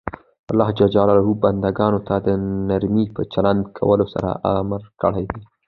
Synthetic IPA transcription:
alːɑhd͡ʒad͡ʒɑlalaɦuband̪aɡɑnot̪ʰad̪ənaɾmipət͡ʃaland̪kʰa̰wəlosa̰ɾa̰ʔamɾkəɽajd̪i

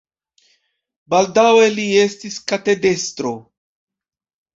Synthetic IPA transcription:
baldawe̞lie̞stiskate̞de̞stɾo̞

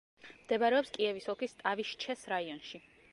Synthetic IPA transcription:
md̪ɛbaɾɛɔpskʼiɛvisɔkʰist̪ʼaviʃt͡ʃʰɛsɾaiɔnʃi

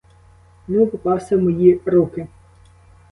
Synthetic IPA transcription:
nupɔpɑwsʲɐmɔjiɾukɪ

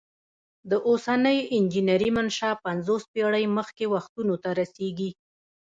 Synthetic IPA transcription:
d̪əʔosanəjɪnd͡ʒinaɾimanʃɑpanzospeɽəjməxkewaxt̪unot̪aɾaseɡi

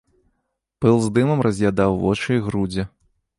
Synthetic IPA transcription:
pɨlˠzd̪ɨmɐmrɐzʲjad̪awːɔ̰t͡ʂɨiɣɾud͡zʲɛ

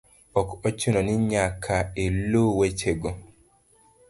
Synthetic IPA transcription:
ɔkɔt͡ʃinɔniɲakʰaelowet͡ʃeɡɔ

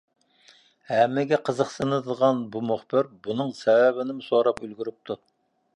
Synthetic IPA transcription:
hæmːɪɡʲɛqʰəzəqsɨnɨd̪əʁɑnbumʊχbɪɾbunɨŋsɛwæbɪnɪmɪsoɾɑpylɡʲyɾyp̚t̪ʰu

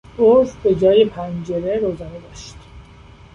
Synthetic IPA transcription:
ozbe̞d͡ʒɒːjipʰænd͡ʒeɾeɾoːzɒːned̪ɒːʃt̪

